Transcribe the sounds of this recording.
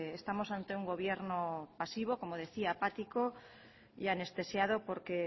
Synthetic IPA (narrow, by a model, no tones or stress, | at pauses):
est̪amo̞sant̪e̞uŋɡo̞β̞je̞ɾnopasiβ̞o̞ko̞mo̞ð̞e̞θiapat̪iko̞ | jane̞st̪e̞sjaðo̞po̞ɾke